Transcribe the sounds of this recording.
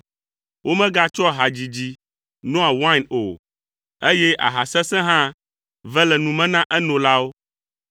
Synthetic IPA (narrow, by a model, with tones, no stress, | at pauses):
wʔo˦mɛ̃˦ɡa˦t͡ʃɔ˦ɦa˨d͡ʑi˨d͡ʑi˦ | nɔ̃˦a˨wa˦˨no̰˨ | e˦jɛ˦ʔa̰˨ɦa˨sɛ̃˦sɛ̃˦ɦã˦ | vɛ˦lɛ˨nũ˨mɛ̃˦nã˦ʔɛ˦nɔ̃˨la˦wo˦